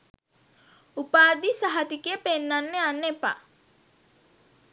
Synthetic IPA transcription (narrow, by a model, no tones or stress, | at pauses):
upaːd̪isaɦat̪ikijəpenːanːeanːepa̰